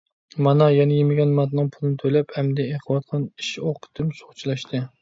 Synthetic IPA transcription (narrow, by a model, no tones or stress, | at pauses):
mɑnɑjɛnɛjemɪɡʲɛnmɑt̪nɨŋpʰʊlˠɨnɪt̪ʰølɛphɛmd̪ɛeχʰəwɑt̪̚qʰɑniʃoqʰə̥t̪ʰɨmso̥χt͡ʃʰilˠɛʃt̪ʰɨ